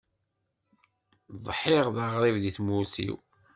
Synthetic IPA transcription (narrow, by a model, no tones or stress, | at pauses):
ðˤħɪʁðaʁɾˤivðiθmusḭw